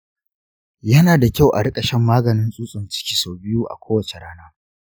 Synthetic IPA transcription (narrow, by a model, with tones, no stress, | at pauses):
jɐ˦naː˨da˨kʲa˦˨wʔa̰˨ɽɪ˦kʼɐ˨ʃɛ˦mːaː˦ɡɐ˨nɪ˦nsʼuː˦sʼʊ˨nt͡ʃɪ̥˦kʲiː˨soː˨bɪ˦ju˦ʔa̰˨kʷʰoː˦wɐ˨t͡ʃe˨ɽaː˦naː˦